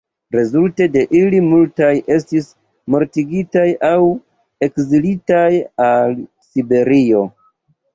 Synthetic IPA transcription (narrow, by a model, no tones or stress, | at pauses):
ɾe̞zulte̞de̞ʔilimultajʔe̞s̬tis | mo̞ɾtiɡitajaw | e̞kzilitajal | sibe̞ɾio̞